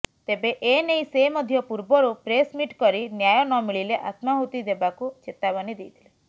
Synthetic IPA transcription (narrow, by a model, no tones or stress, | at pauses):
t̪ebeʔenejsemɔd̪ʱjɔpuɾbɔɾupɾesmiʈkɔɾinjajɔnɔmiɭileʔat̪maɦut̪id̪ebakut͡ʃet̪abanid̪ejt̪ʰile